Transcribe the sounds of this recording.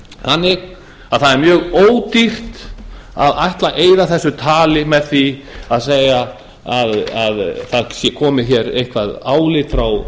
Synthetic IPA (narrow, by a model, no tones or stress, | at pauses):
hanːɪɣ | aðθaðɛɾmjœːɣoːwt̪ir̥t̪ | a̰ðajht̪laʔeːjðaθɛsːʏt̪ʰaːlɪmɛðθiaðs̬ejɣa | aðaðθaðsjɛkʰɔːmɪçɛɾḛjhkvaðaːwlɪt̪fɾaw